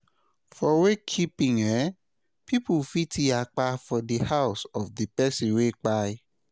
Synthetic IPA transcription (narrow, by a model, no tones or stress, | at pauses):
fɔwekʰipĩŋɛ | pipufitʰiak͡pafɔdihawsɔfdipɛsĩwek͡pai